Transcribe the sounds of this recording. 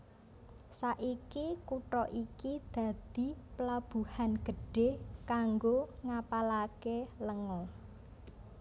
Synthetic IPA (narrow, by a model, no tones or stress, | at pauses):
saʔikikuʈɾɔʔikid̪̥ä̤d̪̥i̤pəlab̥ṳhanɡ̥ə̤ɖ̥e̤hkaŋɡoŋapalakeləŋɔ